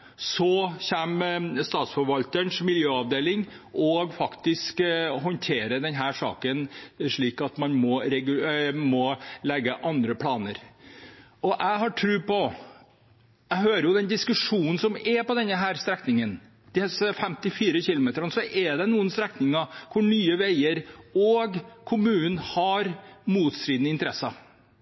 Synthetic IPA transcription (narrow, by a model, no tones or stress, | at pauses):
sɔçɛmst̪ɑːt̪sfɔɾʋɑlt̪əɳʂmɪljøːɑʋd̪eːlɪŋ | ʔɔɡfɑkt̪ɪskɦɔnt̪ʰeːɾəd̪ɛnɦæːʂɑ̰ːkənʂɭiːkɑt̪mɑnmɔɾɛɡʉmɔlɛɡːəʔɑnd̪ɾəpʰlɑːnəɾ | ɔʔæɦɑʈʰɾʉːpɔ | æɦøːɾəjʊd̪ɛnd̪ɪskʉʂuːnn̩sɔmɛpɔd̪ɛnːəɦæːɾst̪ɾɛknɪŋən | d̪̥ɪsfɛmt̪ɪfiːɾəçɪlʊmeːt̪əɾɑnsɔʔɛd̪ɛnuːənst̪ɾɛknɪŋɑkʰʊɳyːəʋæɪəɾɔɡkʰʊmʉːnən̩hɑɾmuːt̪st̪ɾiːd̪nəɪnt̪əɾɛsːɑ